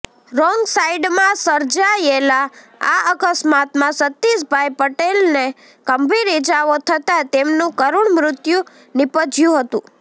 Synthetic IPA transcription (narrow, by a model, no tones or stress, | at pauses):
ɾɔŋɡsaiɖmãsəɾd͡ʒajela | aəkəsmat̪mãsət̪ːisbʱajpəʈelne | kəmbʱiɾid͡ʒaʋot̪ʰət̪at̪emnũkəɾuɳmɾʊt̪ju | nɪpəd͡ʒjũɦət̪ũ